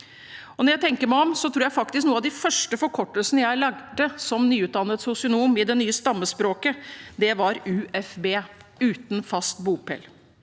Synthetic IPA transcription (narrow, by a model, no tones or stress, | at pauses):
ɔnɔɾjæɪt̪ʰɛŋkəɾmæɪɔmsɔt̪ʰɾuːɾjæɪfɑkt̪ɪsknuːəɑʋd̪ɪfœʂʈəfɔɾkʰɔʈːəlsənəjæɪlɑɡd̪əsɔmnyːʉːt̪̚d̪ɑnːət̪sʊsɪʊnuːmɪd̪ɛnyːəst̪ɑmːəspɾoːkəd̪ɛʋɑɾʉːɛfbeːʉːt̪n̩fɑst̪buːpʰɛ̰l